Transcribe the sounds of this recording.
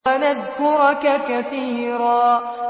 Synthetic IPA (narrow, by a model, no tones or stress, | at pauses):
anad̪dʊɾakakaθiːɾaː